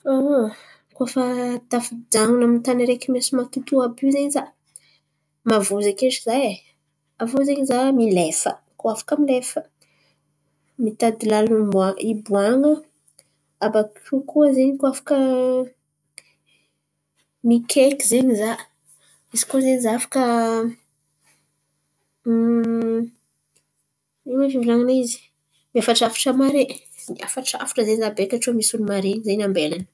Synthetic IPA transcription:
o | kuafat̪afid͡zaŋunamint̪aniɾekimasimat̪ut̪uabyzeɲiza | mavuzakeʈ͡ʂizaj | avuzeɲizamilefə̰ | kuafḁkəmilefə̥ | mit̪ad̪ilalniaibuaŋə | abakkukuəzeɲikwafḁkə | mikʰekʲizeɲiza | izi̥kuzenizafḁkə | imafivraŋanizi̥ | miafaʈ͡ʂafḁʈ͡ʂəmaɾe | ia̰faʈ͡ʂa̰fḁʈ͡ʂəzeɲizabekʲaʈ͡ʂumisunimaɾeɲizeɲambelanə̥

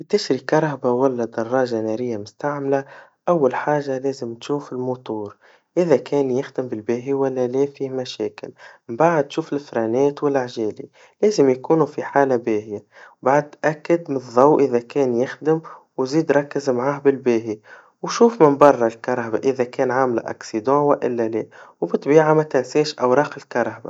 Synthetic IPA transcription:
t̪ɪʃɾikɑɾˤhabawalːad̪ɑrˤːɑːʒanæːɾɪjːamʊst̪aʕmla | ʔawːalħaːʒalæːzɪmt̪ʃuːfɪlmut̪ˤuːɾ | ʔɪðækʰɛːnjɪxd̪ɪmbɪlbæːɦiwælːælɛːfiːmæʃɛːkɪ̰lɪmbaʕd̪̚t̪ːʃuːfɪlfɾɑnɛːt̪wɪlʔaʕʒɛːli | lɛːzɪmjkuːnufiħaːlabɛːhɪjawbaʕd̪̚t̪ʔækːɪd̪mɪnðˤːɑwʔɪðækɛːnjɪxd̪ɪm | wziːd̪ɾˤɑkːɪzmʕaːhbɪlbæːɦi | wʃuːfmɪnbɑrˤːɑlkɑɾˤːba̰ʔɪðækɛːnʕaːmlʔɑ̰ksid̪ɑ̃ːwʔɪlːælɛːwbɪt̪ˤbiːʕamæt̪ænsɛːʃʔawɾˤɑːqɪlkɑɾˤɑhba̰

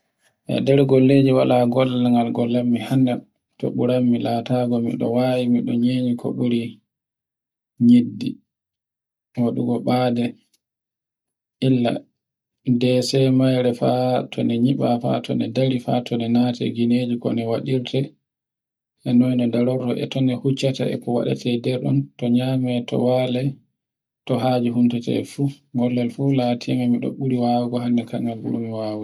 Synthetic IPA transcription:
ʔɛ̰dɛɾɡolːeːd͡ʒiwalaɡɔlaŋɡalɡɔlːamːihanːɛ | tɔ̰ɓuɾamːilataɡɔmḭɗɔ̰wawimiɗɔɲeːɲikʰɔ̰ɓuɾi | ɲidːḭ | waɗuɡɔɓaːdɛ | ʔilːa̰ | dɛsɛmajɾɛfatʰɔnɛɲiɓafa̰tʰɔ̰nɛdaɾifa̰tʰɔnɛnatɛ̰ɡined͡ʒikɔ̰nɛwaɗiɾtʰɛ | ʔɛnɔjnɔdalɔɾtɔʔɛ̰tɔnɛhut͡ʃːata̰ɛ̰kɔwa̰ɗa̰tʰɛdɛɾɗɔ̰ntɔɲaːmɛtɔ̰walɛ | tɔɦad͡ʒuɦuntatɛ̰fu | ŋɡɔlːɛlfulatʰimamiɗɔ̰ɓuɾiwawɛɡɔɦanːɛkaŋɡalbṵɾumiwaːwu

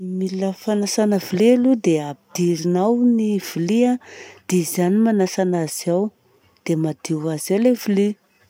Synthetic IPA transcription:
miləfanasanəvilelud̪eapid̪iɾinawniv̥iliad̪̥ezanimanasanaziaw | d̪̥emad̪iwazawlevili

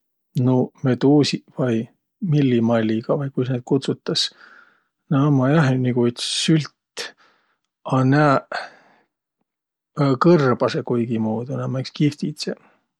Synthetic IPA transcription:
nomet̪uːsʲivɑj | milːimɑlʲːiɡ̥ɑvɑjkujsned̪̥̚kut̪sut̪ːˑɑs | næmɑjɑɦeniɡut̪ssylʲt̪ | ɑnæː | kɤrb̥ɑsekujɡ̥imuːd̪unæmækskift̪it̪se

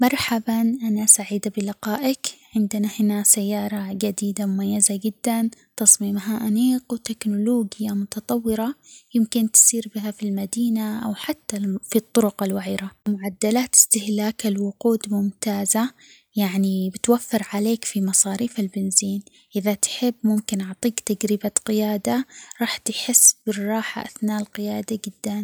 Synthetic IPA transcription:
mɑɾˤħabanʔanasaʕiːd̪abɪlɪqɑːʔɪkʕɪnd̪ɪnahɪnasajːɑːɾˤɑd͡ʒad̪iːd̪amʊmajːazad͡ʒɪd̪ːant̪ɑsˤmiːmɦaʔaniːqwt̪ɪknʊloːɡɪjamʊt̪ɑt̪ˤɑwːɪɾɑjɪmkɪnt̪siːɾbɪɦafilmad̪iːnaʔawħat̪ːafit̪ˤːʊɾʊqɪlwaʕiːɾamʊʕad̪ːalaːt̪ɪ̥st̪ɪhlaːkalwʊquːd̪mʊmt̪aːza | jaʕnibɪt̪wafːɪɾʕaleːkfimɑsˤɑːɾiːfɪlbɪnziːn | ʔɪðat̪ħɪbːmʊmkɪnʔʊʕt̪ˤiːkt̪aɡɾɪbaqɪjaːd̪aɾˤɑːħt̪ħɪsːbɪrˤːɑːħa̰ʔa̰θnaːʔlqɪjaːd̪ad͡ʒɪd̪ːan

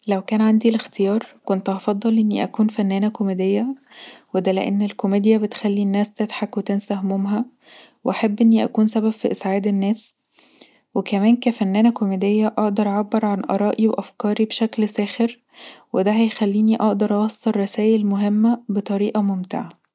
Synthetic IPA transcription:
læwkæːnʕand̪ilext̪ejɑːɾˤkont̪ʔɑfɑd̪ˤːɑlʔenːiʔækuːnfænːæːnækomed̪ejːæ | wed̪æleʔḛnːelkomeːd̪jæbet̪xælːinːæːst̪æt̪ħakwet̪æːnsæhmomɦæ | weʔaħabːʔenːiʔæ̰kuːnsæbæbfiʔesʕaːd̪enːæːs | wekæmæːnkæfænːæːnækomed̪ejːæʔɑʔd̪ɑɾˤʔʕabːɑɾˤʕanʔɑ̰ɾˤɑːʔiweʔæfkɑːɾibʃæklsæːxeɾ | wed̪æɦæjxælːiːniʔɑʔd̪ɑɾˤʔɑwɑsˤːɑrˤːɑsæːʔælmoɦemːæbet̪ˤɑɾiːʔɑmomt̪eʕa

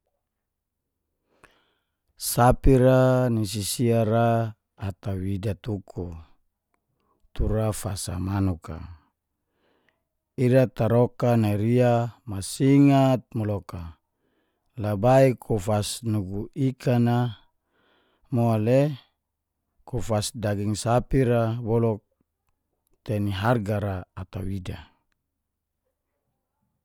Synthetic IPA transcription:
sapiɾanis̬isiaɾaː | t̪awidat̪ukʰu | t̪uɾafasa̰manuka̰ | iɾat̪aɾokanaiɾiamasiŋat̪̚mɔlɔka | labaikʰufasnuɡuikʰana | moale | kufasdaɡiŋsapiɾabɔlɔk̚ | t̪eniɦarɡaɾaːt̪awida

